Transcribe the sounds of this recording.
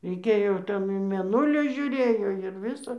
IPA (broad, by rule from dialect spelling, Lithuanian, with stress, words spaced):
rʲɛɪˈkʲeːjoː ˈtʲɛn iː mʲeːˈnʊlʲiː ʒʲʊˈrʲeːjoː ɪr ˈʋʲɪsɐ